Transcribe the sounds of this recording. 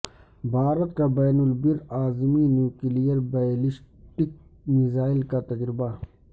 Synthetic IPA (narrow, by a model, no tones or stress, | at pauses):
bʱaːɾɐt̪̚kabɛːnulbiɾaːzminjuːkilijəɾbaliʃʈik̚mizaːɪlkat̪ɐd͡ʒɾɪba